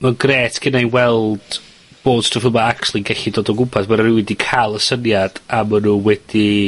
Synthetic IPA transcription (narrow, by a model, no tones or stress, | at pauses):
maɡreːtʰɡ̥ɪnajnwɛlˠd̥ | b̥oːd̥strɔfəmaaktt͡ʃʰulˠiɡɛɬidoːdɔɡʊmpʰasmaɾrɪwɪdikʰalˠəsənjad̥amənuwɛd̥i